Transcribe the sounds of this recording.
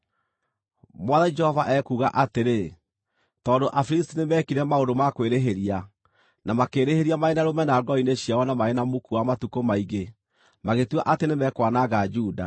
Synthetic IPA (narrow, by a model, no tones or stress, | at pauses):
mwaðad͡ʒɛhɔvaʔɛkuːɣaʔateɾe | tɔːndoʔafɾistinemɛkiɾɛmaodomakweɾeɦeɾia | namakeːɾeheɾiamaenaɾomɛnaːɡɔineɕiawɔnamaenamokuamatukomaiɡe | maɣetuaʔatenemɛkwanaɣad͡ʒuːda̰